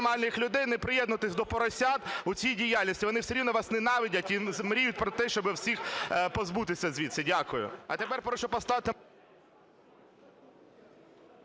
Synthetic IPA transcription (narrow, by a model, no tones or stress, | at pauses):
mɑlʲnɪxlʲʊd̪ɛjnɛpɾɪjɛd̪nʊt̪ɪsʲd̪ɔpɔɾɐsʲɑd̪ʊt͡sʲijdʲijɑlʲnʲisʲtʲiʋɔnɪwseɾʲiʋnɔʋɑsnɪnɑʋʲidʲɐtʲizmɾʲijʊt̚ʲpɾɔt̪ɛʃt͡ʃɔbɪwsʲixpɔzbut̪ɪsʲɐzʲʋʲit̪sɛdʲakʊjʊ̰ɐ̰t̪epɛrpɾɔʃɔpɔst̪ɑʋɪt̪ɪ